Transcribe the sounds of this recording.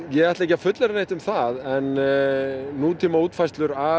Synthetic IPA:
jɛɣajt̪laejcːafʏt̪lɛɾanejht̪ʏmθaðɛnː | uːt̪ʰiːmauːt̪fajst̪lʏɾa

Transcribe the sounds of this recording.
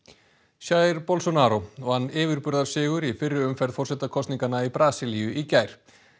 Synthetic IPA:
sjaːjɾpɔlsɔnaːɾoɔɣhanːɪːvɪɾpʏɾðaɾ̥sɪːɣʏɾifɪrːɪʏmfɛɾðfɔrsɛt̪akʰɔst̪niŋkanaipɾaːsilijʏicaːjɾ̥

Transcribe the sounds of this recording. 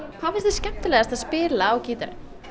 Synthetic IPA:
hawfɪnst̪ɪscɛm̥t̪ɪlɛɣast̪aðspɪːlaawciːt̪aɾɪ̰

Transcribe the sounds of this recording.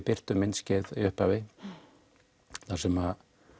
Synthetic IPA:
pɪr̥t̪ʏmɪnscɪðiʏhpavɪ | θasɛma

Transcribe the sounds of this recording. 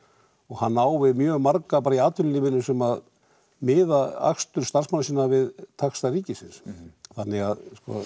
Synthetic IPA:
ɔɣhanːaːwvɪmjœːɣmaɾkapaːɾaiaːt̪vʏlinɪmɪnːʏsɛmað | mɪːðaa̰xst̪ʏɾ̥st̪ar̥smanasiːnavɪðt̪ʰaxst̪ariːcɪsɪnsθanːɪɣa̰ðskɔ̰

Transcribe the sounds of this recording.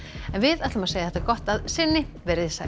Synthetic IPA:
ɛnvɪðajt̪lʏmaseːjaθɛt̪akɔht̪aðsɪnːɪvɛɾɪðsa̰

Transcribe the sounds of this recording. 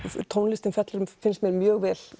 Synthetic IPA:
t̪ʰownlɪst̪ɪmfjɛt̪lʏɾʏmfɪnsmjɛɾmjœːɣvɛːl

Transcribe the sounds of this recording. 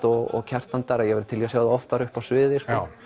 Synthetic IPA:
t̪ɔɣɔ̰ɣcʰɛr̥t̪ant̪aɾaðjɛvɛɾt̪ʰɪliasjaːwðaɔft̪aɾʏhpawsvɪːðɪskɔ

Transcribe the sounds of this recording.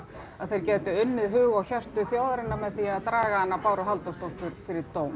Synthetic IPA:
aðθejɾ̥cɛːt̪ʏʏnːɪðɦʏːɣawçar̥t̪ʏθjaːwðɾɪnːamɛðθiːaaðt̪ɾaːɣaanːapaːwɾʏɦalt̪owst̪owht̪ʏɾfɪɾɪt̪oːwm

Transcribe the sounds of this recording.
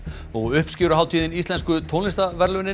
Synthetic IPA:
ɔɣʏhpscɪːɾʏɦaːwt̪ʰiːðɪnist̪ɛnskʏt̪ʰoːnlɪst̪avɛɾlʏnɪ

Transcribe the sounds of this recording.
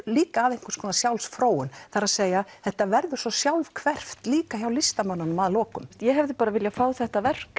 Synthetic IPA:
liːkaːðejŋ̥kʏɾ̥skʰɔːnasjawlsfɾoːwʏnθaɾaðseːjaθɛht̪avɛɾðʏ̥sɔsjawlvkʰvɛr̥ft̪liːkaçawlɪst̪amanːanʏmaðlɔːkʏmjɛɦɛvðɪpaːɾavɪljafaːwθɛht̪avɛr̥k

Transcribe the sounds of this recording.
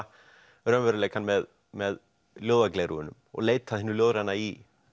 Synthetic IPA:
ɾœːmvɛɾʏlejkanmɛð | mɛð | ljowðakleːjɾuʏnʏmɔ̰ɣleːjt̪aðhɪnʏljoːwðɾanːai

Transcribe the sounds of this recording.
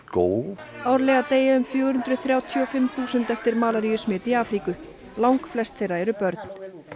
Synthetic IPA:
koːw | awɾlɛːɣat̪eːjaʏmfjœːɣɾhʏnt̪ɾʏθɾjaːwt̪ʰɔfɪmθuːsʏnt̪ɛft̪ɪɾmaːlaɾijʏsmɪːt̪iaːfɾiːkʏ | lawŋkflɛst̪θejrːaɛɾʏpœɾt̪n̥

